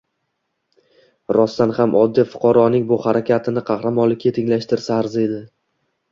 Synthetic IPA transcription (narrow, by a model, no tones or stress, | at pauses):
ɾɒst̪anhamʔɒd̪ːijfʊ̥qʰɑɾɒnɪŋbʊhaɾakʲʰat̪ʰɪnɪqʰɑχɾamɒnlɪkʲɪt̪ʰɪŋlaʃt̪ɪɾsaːɾzɪe̞d̪ɪ